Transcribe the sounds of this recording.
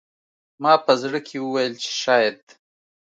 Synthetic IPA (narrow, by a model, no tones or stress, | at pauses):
mɑpəzɽəkʰewəwajəlt͡ʃe̥ʃɑjad̪̚